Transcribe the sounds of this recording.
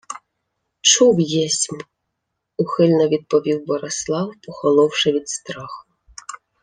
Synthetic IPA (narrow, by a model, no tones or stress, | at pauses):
t͡ʃuwjɛsʲm | uxɪlʲnɔʋʲid̪̚pɔʋʲiwbɔɾeslˠɑwpɔxɔlˠɔwʃɪʋʲid̪st̪ɾɑxʊ